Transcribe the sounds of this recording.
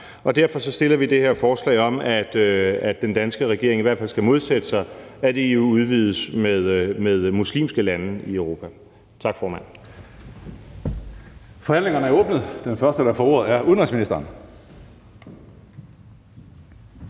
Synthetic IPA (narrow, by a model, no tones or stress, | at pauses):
ɒ̽d̥æɐfɒ̽sɒ̽sd̥e̝lɐʋid̥e̝heɐfɒːslɛ̰ɪɒ̽mæd̥æ̥ːend̥ænsɡ̥əʁɛɡ̥e̝ɐ̝ŋiʋæɐ̰dfæl̰sɡ̥æmo̝ð̞ˠsed̥əsɑ̈ɪæd̥e̝euuuð̞ˠʋiːð̞ˠəsmeðˠmeðˠmuslḭːmsɡ̥əlænəieʊʁo̝ːpʰæ | t͡sʰɑ̈ɡ̥fɒːmæn̰ | fɒhæn̰le̝ŋɐnəæɐɔːb̥nəð̩ˠd̥enfɶɐsd̥əɾ̥ɑfɒoɐð̩ˠæɐʔuðˠnʁisminisd̥ɐːn